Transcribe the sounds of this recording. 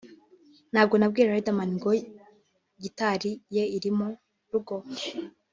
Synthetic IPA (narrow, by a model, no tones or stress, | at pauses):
n̥haːb̚ɡo̞nab̚ɡiːɾeaaeidamaniŋɡo | ɟitaɾijeiɾimo | ɾuɡo